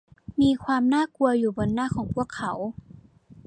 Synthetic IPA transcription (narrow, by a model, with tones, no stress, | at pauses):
miː˧kʰwaː˧mnaː˥˩ku˧ɐjuː˨˩bo˧nːaː˥˨kʰɔː˩˦ŋpʰu˥˩əkʰːa˩˦w